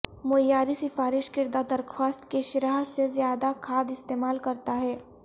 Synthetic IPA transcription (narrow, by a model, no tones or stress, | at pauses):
mojaːɾisɪfaːɾɪʃkɪɾd̪ad̪ɐɾkʰwaːst̪keʃɪɾaːɦsezjaːd̪akʰaːd̪ɪst̪eːmaːlkɐɾt̪aɦɛː